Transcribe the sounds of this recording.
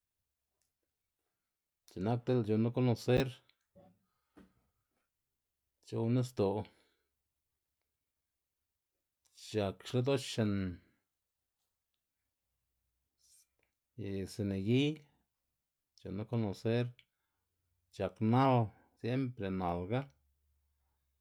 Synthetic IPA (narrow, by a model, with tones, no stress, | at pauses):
t͡ʃe˨na˦k̚t̪e˦lt͡ʃo˨na˦ko˦no˨se˦ɾ | t͡ʃo˧ne˦s̬t̪o˨ | t͡ʃa˨kʂle˦d̪o˦t͡ʃt͡ʃe˧n | jse˧˨ne˨ɡi˦ | t͡ʃo˨na˦ko˦no˨se˦ɾ | t͡ʃa˨kna˦w | sje˦mpɾe˨na˨lɡa˦